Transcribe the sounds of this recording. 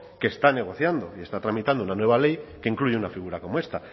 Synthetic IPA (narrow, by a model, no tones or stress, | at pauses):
ke̞ːst̪ane̞ɣ̞o̞θjand̪o̞ie̞st̪at̪ɾamit̪and̪ounanwe̞βale̞jke̞iŋkluʝeunafiɣ̞uɾako̞moe̞st̪a